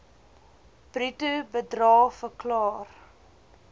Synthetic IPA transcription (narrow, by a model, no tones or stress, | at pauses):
b̥ritəbədrɑːfəklɑːr